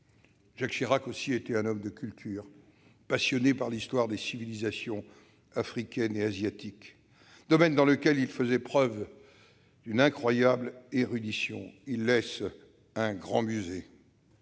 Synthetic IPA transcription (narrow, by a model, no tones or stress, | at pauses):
ʒ̥akʃiʁakosiet̪ɛɛ̃nɔmd̪əkʲylt̪ʰyːʁpasjɔnepaʁlist̪waʁd̪esivilizasjɔ̃ | afχikʲɛneazjat̪ik | d̪̥ɔmɛnd̪ɑ̃ləkʲɛlilfəzɛpχœv | d̪ynɛ̃kχwajableʁyd̪isjɔ̰̃ilːɛs | ɛ̃ɡʁɑ̃myze